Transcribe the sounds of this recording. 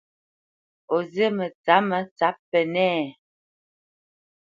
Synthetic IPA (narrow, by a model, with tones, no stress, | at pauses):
o˨zə˦mə˨t͡sa˨˦mə˨˦t͡sa˨˦ppɛ˨nɛ˦˨